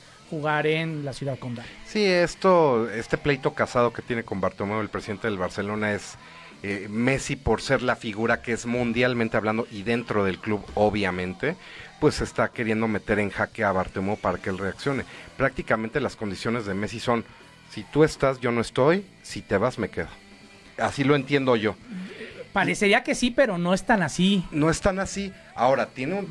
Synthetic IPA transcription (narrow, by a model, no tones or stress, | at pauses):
xuɣaɾenlasjuðaðkond̪asiest̪o̞e̞st̪e̞ple̞jt̪o̞kasað̞o̞ke̞t̪je̞ne̞ko̞mbaɾt̪emeoelpɾesiðe̞nt̪eelβaɾse̞lo̞nae̞s | eme̞sipo̞ɾse̞ɾlafiɣuɾake̞ezmũnd̪jalmẽnt̪e̞aβland̪o̞ʔiðe̞nt̪ɾo̞ðe̞lkluβo̞βjamẽ̞nt̪e̞ | pwe̞se̞st̪ake̞ɾje̞nd̪o̞me̞t̪e̞ɾe̞ŋxakeaβaɾt̪emopaɾakeelre̞aksjo̞ne̞pɾak̚t̪ikamẽnt̪e̞laskond̪isjo̞ne̞zðe̞me̞s̬iso̞n | sit̪ue̞st̪asʝo̞no̞e̞st̪o̞j | sit̪e̞βazme̞ke̞ðo | asilo̞e̞nt̪je̞nd̪o̞ʝo̞ | paɾeseɾiake̞sipe̞ɾo̞no̞est̪anasino̞e̞st̪anasi | ao̞ɾat̪je̞neun